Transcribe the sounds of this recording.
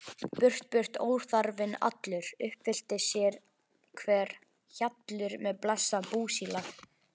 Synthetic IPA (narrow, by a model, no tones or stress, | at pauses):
pʏr̥t̪̚pʏr̥t̪o̰ːwɾ̥θaɾvɪna̰t̪lʏɾ̥ʏhpfɪl̥t̪ɪsjɛɾ | kʰvɛːɾ̥ | çat̪lʏɾmɛðplasːapuːsiːla